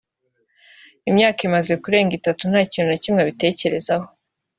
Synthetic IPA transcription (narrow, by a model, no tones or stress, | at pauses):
imɲaːkimaze̞kuɾe̞ːŋɡitatun̥haːciːnunacimŋeβite̞ːce̞ɾe̞zaho̞